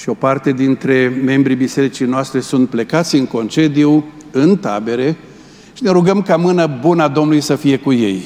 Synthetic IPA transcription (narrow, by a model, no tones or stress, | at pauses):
ʃio̞part̪e̞d̪int̪ɾe̞me̞mbɾibise̞ɾit͡ʃijnoast̪ɾe̞sunt̪̚ple̞kat̪sʲɨŋko̞nt͡ʃe̞d̪iu | ɨnt̪a̰be̞ɾe̞ | ʃine̞ɾuɡəmkamɨnəbunad̪o̞mnulujsəfije̞kuje̞̰j